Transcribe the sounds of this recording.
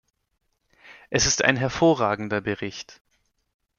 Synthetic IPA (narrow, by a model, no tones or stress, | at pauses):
ʔɛsɪsta̰ɪnɦɛɐfoːɐʁaːɡŋ̩dɐbəʁɪçt